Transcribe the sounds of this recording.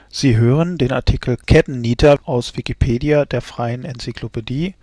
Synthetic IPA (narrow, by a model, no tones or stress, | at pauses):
z̥iːɦøːʁəndeːna̰ɐtʰikʰl̩kʰɛtn̩niːtʰɐʔaʊsv̥ikipʰeːdiadeːɐfʁ̥aɪənɛnt͡sikʰl̥opʰediː